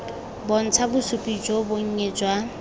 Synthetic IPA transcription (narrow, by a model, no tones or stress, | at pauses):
bon̩t͡sʰabʊsupʼid͡ʒoboŋ̩ɲed͡ʒwa